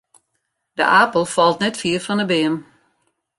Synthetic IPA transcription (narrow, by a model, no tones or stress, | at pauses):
d̥ə̰ʔaːpəlˠfɔlˠtnɛtfiərfɔnəbɪəm